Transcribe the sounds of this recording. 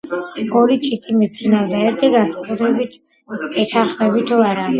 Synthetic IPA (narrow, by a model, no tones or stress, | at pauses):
ɔɾit̪t͡ʃ̪ʼit̪ʼimipʰɾinavd̪aɛɾt̪ʰiɡansakʼut̪ʰɾɛbit̪ʰ | ɛt̪ʰaχmɛbit̪ʰuaɾa